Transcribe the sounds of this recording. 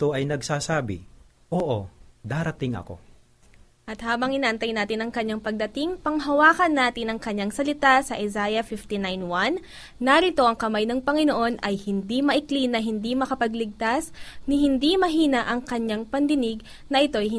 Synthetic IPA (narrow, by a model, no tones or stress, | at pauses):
t̪o̞ʔɐjnɐɡsaːsaːbɪ̰ | ʔoːʔod̪aːɾɐt̪ɪŋɐ̰ko̞̰ | ʔɐt̪̚haːbɐŋʔɪnaʔɐnt̪ɐjnaːt̪ɪnɐŋkɐɲːaŋpɐɡ̚d̪ɐt̪iŋpɐŋɦɐwaːkɐnːaːt̪ɪnɐŋkɐɲːaŋsɐlɪt̪asɐʔɪzajɐfift̪inajnwanː | ɐɾɪt̪o̞ʔɐŋkɐmajnɐŋpɐŋɪnoʔo̞nʔɐjhɪnd̪imɐʔɪklinːɐɦɪnd̪imɐkɐpɐɡlɪɡ̚t̪asnɪɦɪnd̪imɐɦiːnɐʔɐŋkɐɲːaŋpɐnd̪ɪnɪɡ | nɐʔɪt̪o̞j